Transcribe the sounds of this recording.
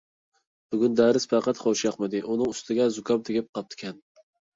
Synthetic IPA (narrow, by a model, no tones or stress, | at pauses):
b̥yɡʲynd̪æɾɪspʰæqɑt̪χowʃijɑχmɪd̪ɪʔunɨŋyst̪ʰɪɡʲɛzʊkʰʲɑmt̪ʰɪɡʲɪp̚qʰɑp̚t̪ʰɪ̥kʲʰɛn